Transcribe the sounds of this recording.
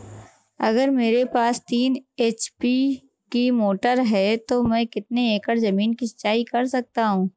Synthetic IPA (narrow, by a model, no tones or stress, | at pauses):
ɐɡəɾmeːɾepaːst̪iːneːt͡ʃpi | kimoːʈəɾɦɛt̪omɛ̃ːkɪt̪neeːkəɾzɐmiːnkisɐ̥t͡ʃːaːikɐɾsɐk̚t̪aɦũː